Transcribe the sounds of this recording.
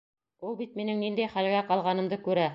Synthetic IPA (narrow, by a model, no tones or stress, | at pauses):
ulˠbit̪̚minɘŋnind̪æjχælɡæqɑlˠʁɑnɤ̆md̪ɤkʉɾæ